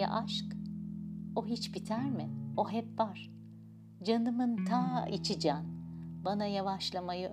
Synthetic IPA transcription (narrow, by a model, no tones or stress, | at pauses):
a̰ʔaʃk | o̞ɦit͡ʃbit̪ʰæɾmɪo̞ɦɛpbaɾ̥ | d͡ʒanɯmɯnt̪ʰaːḭt͡ʃʰid͡ʒaːnbanajavaʃlˠamajɯ